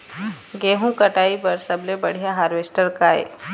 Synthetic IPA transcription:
ɡeːɦũkɐʈaːipɐɾsɐblebɐɽ̤ijaɦaːɾʋeːsʈəɾkaːḛː

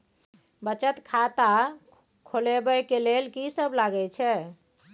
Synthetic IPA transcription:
bət͡ʃət̪kʰat̪a | kʰolebɛkelelkisəblaɡɛt͡ʃʰɛ

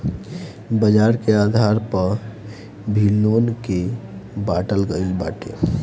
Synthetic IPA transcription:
bəd͡ʒaɾkead̪ʱaɾpəɾ | bʱilonkebaʈəlɡəɪlbaʈḛ

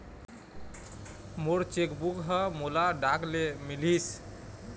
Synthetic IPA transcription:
moɾt͡ʃekbukɦəmolaɖaklemilis

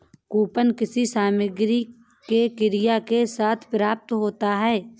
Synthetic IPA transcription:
kuːpənkɪsisaːməɡɾi | kekɪɾɪjakesaːt̪ʰpɾaːp̚t̪ɦoːt̪aɦɛː

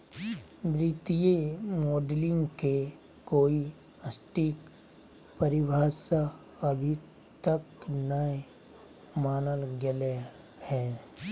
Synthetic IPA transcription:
bɾit̪ijemoːɖlɪ̃ŋɡke | koːi | əsʈik | pəɾɪbʱaːsa | ɐbʱi | t̪əknəi | maːnəlɡele | hɛː

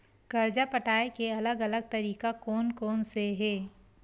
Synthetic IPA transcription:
ɡ̥ɐɾd͡ʒapəʈaːekeɐləɡɐləɡ̚t̪ɐɾiːkakɔːnkɔːnseɦɛː

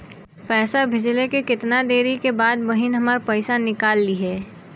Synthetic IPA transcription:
pɛːsabʱɪd͡ʒlekekɪt̪nad̪eːɾikebaːd̪bɐɦɪnɦɐmaɾpɐɪsanɪkaːlːiɦɛː

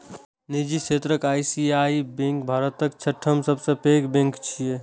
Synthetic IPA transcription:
nid͡ʒiset̪ɾəkaːjsiaibẽŋkbʱaɾət̪əkt͡ʃʰəʈʰːəmsəbsə̃pekbẽŋkt͡ʃʰije

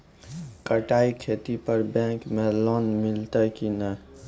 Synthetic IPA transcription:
kəʈaikʰet̪ipəɾbɛ̃kmelɔnmilt̪əkinə

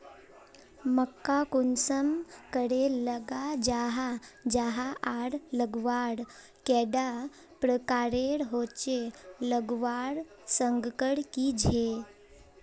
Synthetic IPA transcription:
məkːakunsəmkəɽeləɡad͡ʒaɦad͡ʒaɦaʔaɽləɡʋaɽ | kɛɖa | pɾəkaɾeɽɦot͡ɕeləɡʋaɽ | səŋɡkəɽkid͡ʒʱe

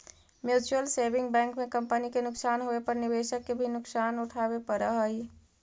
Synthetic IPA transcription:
mjut͡ʃuəlsebɪ̃ŋɡbɛ̃ːŋkmẽkə̃mpənikenʊksaːnɦoepəɾnɪbeʃəkːebʱinʊksaːnuʈʰabepəɾəɦəi

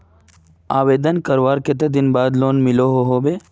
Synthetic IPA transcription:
aːʋeːd̪ənkəɾʋaːɾket̪̬ed̪inbaːd̪loːnmɪloɦoɦoːbeː

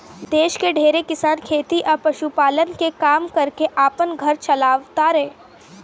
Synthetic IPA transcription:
d̪eːʃkeɖʱeːɾekɪsaːnkʰeːt̪iʔɔpɐʃupaːlənkekaːmkɐɾkeʔaːpənɡʱɐɾt͡ʃɐlaːʋt̪aɾɛː

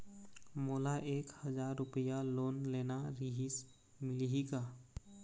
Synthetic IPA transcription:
moːlaʔeːkhəzaːɾːʊpəjaloːnleːnaɾiɦis | mɪlɦika

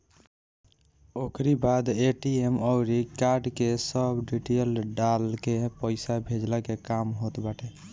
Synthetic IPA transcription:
okʰɾibad̪eʈiemɔʊɾikaɾɖkesəbɖiʈelɖalkepəɪsabʱed͡ʒlakekamɦot̪baʈe

